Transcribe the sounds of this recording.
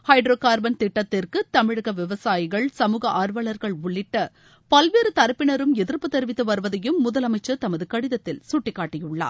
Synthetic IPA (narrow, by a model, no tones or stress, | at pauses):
hɐɪɖɾoːkaːɾbɐnt̪ɪʈːɐt̪ːɪrkɯt̪ɐmɪɻɯɣɐʋɪʋɐsaːjɪɣɐɭsɐmuːɣɐʔaːɾʋɐɭɐɾɣɐɭʊɭːɪʈːɐ | pɐlʋeːɾɯt̪ɐɾɐpːɪɳɐɾɯmɛðɪɾpːɯt̪ːɛɾɪʋɪt̪ːɯʋɐɾʋɐðɐjɯmːʊðɐlɐmɐɪt͡ʃːɐt̪ɐmɐðɯkɐɽɪðɐt̪ːɪlsʊʈːɪkːaːʈːɪjɯɭːa̰ː